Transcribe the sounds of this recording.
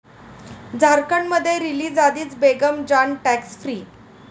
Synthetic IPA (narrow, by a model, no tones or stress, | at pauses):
d͡zʱaɾkəɳməd̪ʱːjeɾiliːd͡zad̪iːt͡sbeɡəmd͡ʑaɳʈæksfɾiː